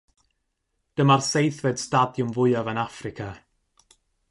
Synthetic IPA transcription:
d̥əmarsejθvɛd̥stadjʊmvʊɨavənafrɪkʰa

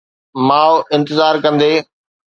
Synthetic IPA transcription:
maːʋʔɪ̃nt̪ɪzaːɾkɐ̃nd̪eː

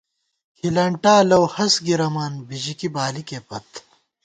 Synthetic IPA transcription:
kʰilɐɳʈaːlɐwhɐsɡiɾɐmaːnbiʑikibaːlikeːpɐt̪

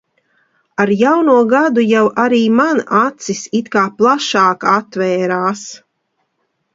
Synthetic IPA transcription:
aɾjawnuːɔɡad̪ujawʔaɾiːmanat̪sisit̪kaːplˠaʃaːkat̪vɛːɾaːs

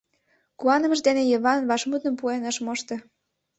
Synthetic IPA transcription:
kuɑnə̆mə̆ʃd̪enĕjəβɑnβɑʃmud̪ə̆mpuenə̆ʃmoʃt̪ɤ̆

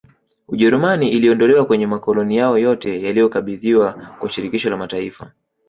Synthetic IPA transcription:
uʄɛɾumaniʔiliɔndɔlɛwakwɛɲɛmakɔlɔnijaɔjɔtɛjalijɔkaɓiðiwakwaʃiɾikiʃɔlamataifa

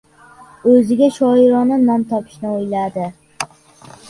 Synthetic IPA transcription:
ɵzɪɡʲaʃɒɪɾɒnɪnɒmt̪ʰɒpʰɪ̥ʃnɪojlad̪ɪ

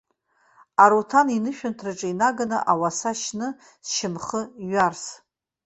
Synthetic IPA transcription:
aɾotʰaninɨʃᶣantʰrɨʈ͡ʂʼɨinaɡanɨʔawasaʃnɨ | sʃɪmχəɥars

